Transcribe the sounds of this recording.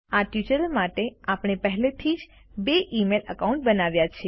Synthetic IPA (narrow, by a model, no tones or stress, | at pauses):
aʈjut͡ʃəɾəlmaʈeapɳ̃epəɦɛlet̪ʰid͡ʒ | beʔimeləkaũɳʈ̚bənaʋjat͡ʃʰe